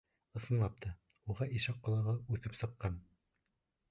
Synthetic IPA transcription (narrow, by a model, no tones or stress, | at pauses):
ɤ̆sɤ̆nlˠɑp̚t̪ʰɑ | uʁɑʔiʃɑqːŏlˠɑ̆ʁɤʉθɘpsɤ̆qːɑn